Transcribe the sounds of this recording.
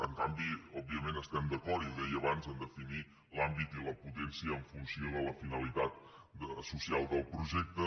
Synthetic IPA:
əŋkambiɔb̚iəmenəst̪ɛmd̪əkɔrɾiuðɛjəβanzənd̪əfini | lambit̪iləput̪ɛnsiəːɱfunsioðələfinəlit̪at̪ | əsusialˠd̪əlˠpɾuʒɛk̚t̪ə

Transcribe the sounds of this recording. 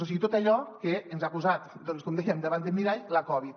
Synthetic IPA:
osiɣit̪ot̪aʎɔkeənzakuzat̪d̪ɔnskɔmd̪ɛjəmd̪əβand̪əmiɾaʎləkɔβ̞it̪̚

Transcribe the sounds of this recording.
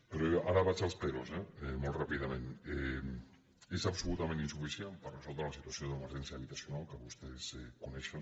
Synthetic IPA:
peɾoeaɾaβat͡ʃalˠspeɾosɛemolˠt̪rapiðamẽne | ezapsulut̪amẽninsufisjenpəɾrəsɔlˠt̪ɾalasit̪uasjoðəməɾʒɛnsjaβit̪asjunalˠkəβust̪esɛkunɛʃən

